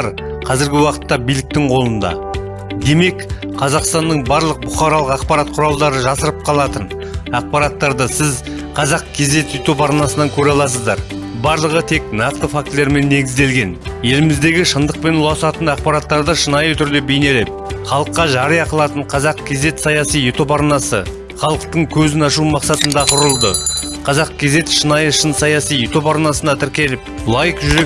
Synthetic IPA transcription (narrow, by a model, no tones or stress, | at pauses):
ɾ | qʰɑzɪɾɡʲɪwɑqə̥t̪ːɑbijlɪk̚t̪ɪŋqʰo̞lˠənd̪ɑ̰ | d̪e̞me̞k | qʰɑzɑqst̪ɑnːəɴbɑɾlˠəq̚bʊχɑɾɑlˠəqɑqpɑɾat̪̚qʰʊɾɑlˠd̪ɑɾəʒɑsəɾəp̚qʰɑlˠɑt̪ən | ɑq̚pɑɾɑt̪ːɑɾd̪əsɪz | qʰɑzɑq̚kʲʰe̞zd̪e̞t̪sit̪upɑɾnɑsənɑŋkʲʰɵɾɑlˠɑsəzd̪ɑɾ | bɑɾlˠəʁət̪ʰe̞knɑq̚t̪əfak̚t̪leɾme̞nːe̞ɡʲɪzd̪e̞lɡʲe̞nje̞lɪmɪzd̪e̞ɡʲɪʃənd̪əq̚pe̞nʊlˠɑsɑt̪ənɑq̚pɑɾɑt̪ːɑɾd̪əʃənɑjət̪ʰʏɾd̪e̞be̞jne̞le̞p̚χɑlˠəqːɑʒɑɾəjɑqəlˠɑt̪əɴqʰɑzɑqkʲʰe̞ze̞t̪sɑjɑsijet̪o̞pɑɾnɑsə | χɑlˠəqt̪əŋkʲʰɵzɪnɑʃumɑqsɑt̪ənd̪ɑqʰʊɾəlˠd̪əqʰɑzɑq̚kʲʰe̞ze̞t̪ʃənɑjəʃənsɑjɑsijet̪o̞pɑɾnɑsənɑt̪ʰɪɾkʲe̞lɪp̚lˠɑjəqʒʏɾe